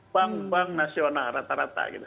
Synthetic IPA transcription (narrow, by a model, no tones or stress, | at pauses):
aŋpaŋnasionaɾat̪aɾa̰t̪a̰ɡḭt̪u